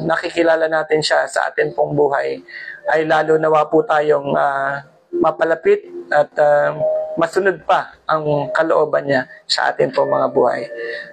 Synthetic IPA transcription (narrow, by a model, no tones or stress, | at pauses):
nɐkɪkɪlaːlɐnaːt̪ɪnʃasɐ̰ʔa̰ːt̪ɪnpoŋbuːɦɐjʔɐjlaːlonɐwaːpʊt̪aːjo̞ŋa | mɐpɐlɐpɪt̪̚ʔɐt̪amɐsʊnod̪̚pɐʔɐŋkɐloʔo̞ːbɐnɲasɐ̰ʔa̰ːt̪ɪnpoŋmɐŋabṵːhɐ̰j